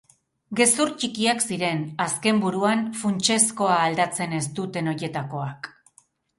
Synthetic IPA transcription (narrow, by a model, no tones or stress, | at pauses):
ɡe̞suɾt͡ʃikiaksiɾe̞naske̞mbuɾuanfunt͡ʃe̞sko̞aːld̪at͡se̞ne̞st̪ut̪e̞no̞je̞t̪ako̞ak